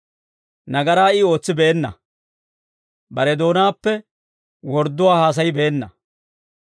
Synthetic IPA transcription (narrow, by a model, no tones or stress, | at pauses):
nɐɡɐɾaːɪo̞ːt͡sːɪbe̞ːnːɐ̰ | bɐɾɛd̪o̞ːnaːpːɛ | wɔɾd̪ːʊwaːhaːs̬ɐjɪbe̞ːnːɐ̰